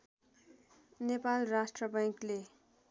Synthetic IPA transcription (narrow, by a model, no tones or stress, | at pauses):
nepalrasʈrʌbaŋkle